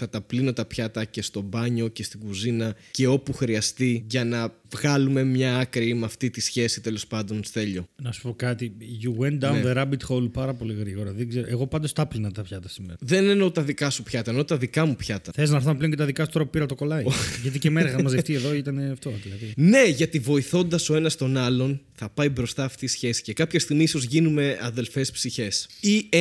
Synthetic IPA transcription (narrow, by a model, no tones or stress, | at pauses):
θɐt̪ɐplino̞t̪ɐpçɐt̪ɐce̞st̪o̞bɐɲo̞ce̞st̪iɡuzinɐce̞o̞puxɾiɐst̪iʝɐnɐvɣɐlume̞mɲɐɐkɾiimɐft̪it̪isçe̞sit̪e̞lo̞spɐnd̪o̞nθe̞ʎo̞nɐsu̥po̞kɐt̪iʝuɣwend̪aunðeɾɐbit̪xolpɐɾɐpo̞liɣɾiɣo̞ɾɐðeɡzeɾoʔeɣo̞pɐnd̪o̞st̪ɐplinɐt̪ɐpçɐt̪ɐsimeɾɐðe̞neno̞t̪ɐðikɐsupçɐt̪ɐenot̪ɐðikɐmupçɐt̪ɐθelznɐɾθɐmepleoɲcet̪ɐðikɐsut̪ɾopupiɾɐɐt̪oko̞lɐiʝɐt̪icemeneɐɐmɐzðeft̪ieðo̞it̪ɐneɐft̪oðilɐðine̞ʝɐt̪ivo̞iθo̞nd̪ɐso̞enɐst̪o̞nɐlo̞nθɐpɐjbɾo̞st̪ɐːft̪isçe̞si̥cekɐpçɐst̪iɣmiiso̞zʝinume̞ɐðe̞lfe̞spsiçe̞si